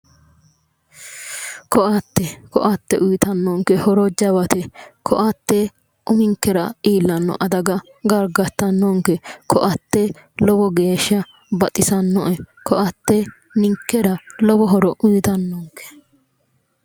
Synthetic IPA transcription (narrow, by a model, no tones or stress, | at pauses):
kɔʔɐt̪ːɛkɔ̰ʔɐt̪ːɛʔʊjɪt̪ɐnːoŋkɛhɔɾɔd͡ʒɐbɐt̪ɛkʰɔ̰ʔɐt̪ːe | ʔʊmɪŋkːɛɾɐiːlːɐnːɔ̰ʔɐd̪ɐɡɐ | ɡɐɾɡɐt̪ːɐnːɔŋkɛkʰɔʔɐt̪ːe | lɔbɔɡeːʃɐ | bɐt̪ʼɪsɐnːɔʔɛkʰɔʔɐt̪ːe | nɪŋkːɛɾɐlɔbɔɦɔɾɔʔʊjɪt̪ɐnːoŋkɛ̥